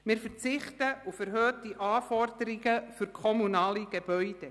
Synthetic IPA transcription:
mɪːɾfɛrt͡sɪχtəufæɾɦøːtiʔɑːfɔrd̥əɾɪɡəfʏɾkʰɔmunɑːliɡ̥eb̥œʏd̥e

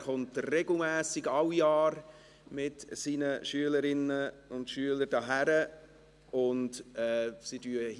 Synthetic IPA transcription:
χʊntrɛɡl̩mæːsiɡɑwijɑːɾ | mɪtsiːnəʃyələɾɪnːə | ʊntʃyələɾdɑːɦæɾə | ʊndɛːsidyə

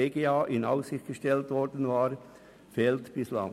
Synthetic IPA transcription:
eːɡeaːʔɪna̰ʊsɪxt̚ɡ̥əʃtɛltvɔɾdən̩vaːɾ | fɛːltb̥ɪslɑ̰

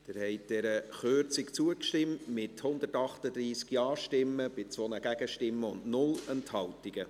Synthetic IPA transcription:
d̥ɪɾhɛɪtd̥ɛɾəχøɾt͡sɪkt͡suəkʃtɪmtmɪthʊnd̪ətɑχtəd̪ɾiːskjɑːʃtɪmːəb̥ɪt͡sʋɔnəɡ̥æɡ̥əʃtɪmːəʊndnʊlɛnthɑltiɡ̥ə

